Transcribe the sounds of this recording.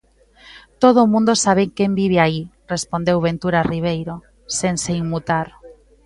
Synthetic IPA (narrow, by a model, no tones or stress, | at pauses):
t̪oð̞omũnd̪osaβ̞eŋkembiβ̞eairespond̪ewβẽnt̪uɾariβ̞ejɾo | senseiŋmut̪aɾ